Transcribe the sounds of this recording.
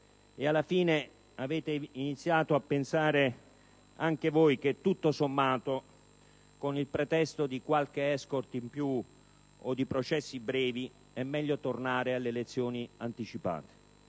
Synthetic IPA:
ealːafiːne | aveːt̪einit̪sːjaːt̪oapːensaːɾe | aŋk̟evojk̟et̪ːut̪ːosomːaːt̪o | konilpɾet̪ɛst̪od̪ikwalk̟eɛskort̪impju | od̪ipɾot͡ʃɛsːibɾɛːvi | ɛmːɛʎːot̪ornaːɾealːelet̪sːjoːniant̪it͡ʃipa̰ːt̪e̥

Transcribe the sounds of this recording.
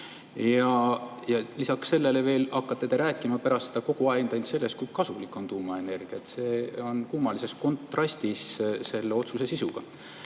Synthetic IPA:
jjɑjɑlisɑksːe̞lːe̞le̞ve̞ːlɑkːɑt̪ːe̞t̪eɾæːkːˑimɑpæɾɑst̪sed̪ɑko̞ɡ̥uɑend̪ɑnt̪se̞lːe̞skujkɑsulikːˑo̞nt̪uːmɑe̞ne̞rɡ̥iɑet̪se̞ːo̞nkuːmɑlise̞sko̞nt̪ːˑrɑst̪isse̞lːeo̞t̪suse̞sisuɡ̥ɑ̰

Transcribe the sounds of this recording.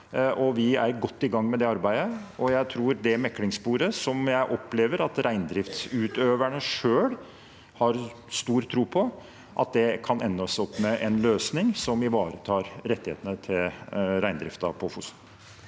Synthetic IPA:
ʔɔʋɪæɾɡɔt̪ːɪɡɑŋːmɛd̪ɛɑɾbæɪəɔjæɪt̪ʰɾuːɾd̪ɛmɛkːlɪŋspuːɾəsɔmjæɪʔɔpːleːʋəɾɑt̪ɾʔæɪnd̪ɾɪft̪sʉːt̪øːʋæɳəʂøːl | hɑɾ | st̪uːɾt̪ʰɾuːpʰɔ | ʔɑt̪̚d̪ɛkʰɑnɛnːəɔsɔpːmɛʔɛnløːsnɪŋsɔmʋɪʋɑːɾət̪ʰɑːɾɾɛt̪ːɪhḛːt̪ənət̪ʰɪlɾæɪd̪ɾɪ̰ft̪ɑ̰pʰɔfʊs

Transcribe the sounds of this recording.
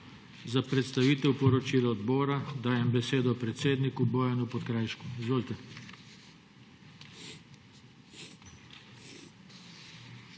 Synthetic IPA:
zapɾɛt̪st̪aʋiːt̪ɛwpɔɾɔt͡ʃiːlɔɔd̪bɔːɾad̪aːjɛmbɛseːd̪ɔpɾɛt̪seːd̪nikubɔːjanupɔt̪kɾaːjʃkuizʋoːlt̪ɛ

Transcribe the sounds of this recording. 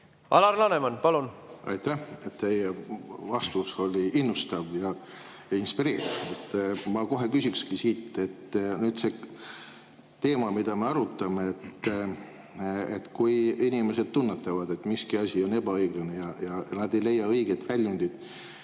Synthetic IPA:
ʔɑ̰lɑrlɑnemɑnpɑlunʔɑ̰jt̪æhet̪ːe̞jevɑst̪uso̞lʲiinːust̪ɑvjɑ | jɑinspiɾe̞ːɾivet̪ːˑmɑko̞ɦe̞kysʲikskisiːt̪ːˑe̞t̪ːnyːd̪̥se̞ | t̪e̞ːmɑmid̪ɑme̞ɑɾut̪ːˑɑmeet̪ː | et̪ːkujinimese̞d̪̥̚t̪unːet̪ːˑɑvɑd̪̥e̞t̪ːmiskiɑsʲio̞ne̞b̥ɑɤjɡ̥lɑnejɑjɑnɑd̪e̞jle̞jːɑɤjɡ̥et̪vælʲjund̪̥id̪̥

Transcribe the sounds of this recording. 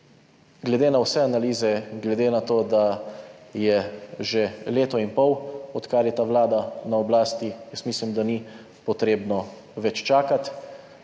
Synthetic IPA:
ɡlɛd̪eːnawsɛanaliːzɛɡlɛd̪eːnat̪oːd̪a | jɛʒeleːt̪ɔinpɔwɔt̪kaɾjɛt̪aʋlaːd̪anaɔblaːst̪ijəsmiːslimd̪ani | pɔt̪ɾeːbnɔ | ʋɛt͡ʃt͡ʃaːkat̪

